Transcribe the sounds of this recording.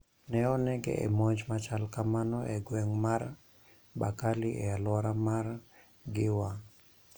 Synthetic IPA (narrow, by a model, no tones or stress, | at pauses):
nɛɔnɛɡɛ̰ʔɛ̰mɔɲd͡ʒmat͡ʃalkamanɔʔɛɡwɛŋmaɾ | bakalɪʔɛalwaɾamar | ɡɪwa